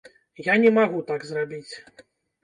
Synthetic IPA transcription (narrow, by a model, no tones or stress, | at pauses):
janʲɛmaɣut̪aɡzrabʲit͡sʲ